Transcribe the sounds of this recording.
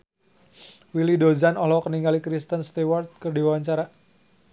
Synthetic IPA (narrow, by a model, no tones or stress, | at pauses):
wilidozanɔlɔkəniŋɡalikɾist̪ənst̪iwart̪̚kərdiwawaɲt͡ʃaɾa